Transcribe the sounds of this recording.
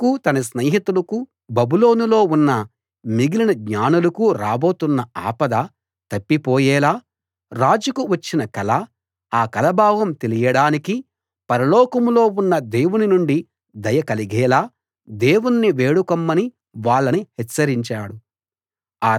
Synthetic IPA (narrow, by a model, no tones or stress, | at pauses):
kut̪ɐnɐsneːɦit̪ulɐku | bɐbulo̞ːnulo̞ːunːɐ | miɡilinɐɡɲaːnulɐkuɾaːbo̞ːt̪unːɐaːpɐd̪a | t̪ɐpːipɔːjɛːlaː | ɾaːd͡ʒukuʋɐt͡ʃːinɐkɐlɐ | aːkɐlɐbʱaːʋɐmt̪elijɐɽaːniki | pɐɾɐlɔːkɐmlo̞ːunːɐd̪eːwuninuɳɖi | d̪ɐjɐkɐliɡɛːlaː | d̪e̞ːwunːiʋe̞ːɽukɐmːɐni | ʋaːɭːɐnihɛt͡ʃːɐɾiɲt͡ʃaːɽu | aː